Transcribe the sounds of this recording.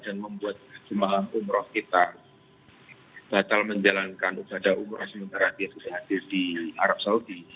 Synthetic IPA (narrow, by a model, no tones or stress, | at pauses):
d̥anməmbuat̪̚d͡ʒəmalamumɾɔhkit̪a | b̥at̪alməɲd͡ʒalankanubadaʔumɾɔ̰hsəmənt̪aɾad̥iabubaɦadɪrdia̰ɾap̚saudi